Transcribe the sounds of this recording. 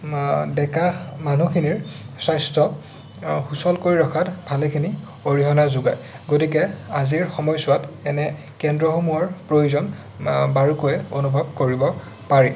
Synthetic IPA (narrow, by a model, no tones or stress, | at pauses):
dɛkamanukʰiniɹsajstɹɔ | xusɔlkoɹiɹɔkʰatbʱalekʰini | oɹiɦɔnazuɡaj | ɡotikɛaziɹxɔmɔjsʊwatɛnɛ | kɛndɹɔxomuɔɹpɹojuzɔn | baɹukojɛonubʱɔb̚koɹibɔ | paɹɛ